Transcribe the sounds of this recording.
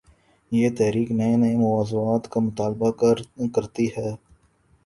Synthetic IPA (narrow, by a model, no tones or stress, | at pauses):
jeːt̪ɛːɾiːknɐenɐemʊʋaːzuaːt̪kamʊt̪aːlbakɐɾt̪ihɛː